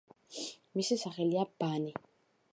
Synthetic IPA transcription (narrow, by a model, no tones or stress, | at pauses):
misisaχɛljabaːnɛ